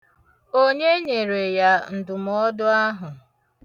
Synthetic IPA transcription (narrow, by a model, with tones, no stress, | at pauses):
o˦ɲe˦ɲe˨ɾe˨ja˦n̩˨dʊ˨m˦ɔ˦dʊ˦a˦ɦʊ˨